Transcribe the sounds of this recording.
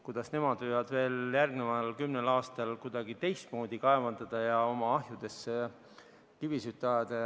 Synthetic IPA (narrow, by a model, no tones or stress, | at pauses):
kud̪̥ɑsne̞mɑd̪vɯjvɑd̪̥ve̞ːljærɡnevɑlkymnelɑːst̪ɑlkud̪̥ɑɡ̥it̪e̞jst̪mo̞ːd̪̥ikɑevɑnd̪ɑd̪̥ɑjɑo̞mɑɑɦjud̪̥e̞s | kivisyt̪ːˑeɑed̪̥e